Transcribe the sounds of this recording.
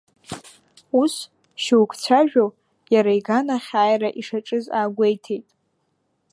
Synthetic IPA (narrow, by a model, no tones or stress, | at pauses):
us | ʃuwkʷʰt͡sʷʰaʒᶣo | jaɾaiɡanaχʲaːjraʔiʂaʈ͡ʂʼɨzaːɡʷejtʰejtʼ